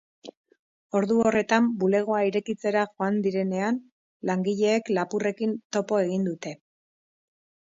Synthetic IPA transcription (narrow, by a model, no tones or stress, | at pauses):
o̞ɾðuo̞re̞t̪ambule̞ɣ̞o̞aiɾe̞kit͡se̞ɾaʝo̞and̪iɾe̞ne̞an | laŋɡiʎe̞ːklapure̞kint̪o̞po̞e̞ɣ̞ind̪ut̪e̞